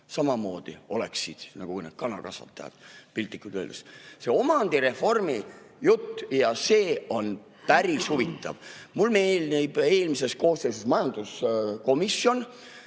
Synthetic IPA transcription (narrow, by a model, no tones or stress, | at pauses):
sɑmɑmo̞ːd̪̥ḭo̞leksid̪̥nɑ̰ɡ̥ukujnḛd̪̥̚kɑnɑlkɑsvɑ̰t̪ːˑɑjɑ̰d̪̥pilt̪ːˑikːˑud̪ø̰ld̪̥esse̞o̞mɑnd̪̥iɾe̞fo̞rmi | jut̪ːjɑse̞ːo̞n | pæɾishuvit̪ːˑɑ̰vmulme̞ːlnibe̞ːlmise̞sko̞ːst̪es̬esmɑjɑnd̪̥usko̞misjo̞n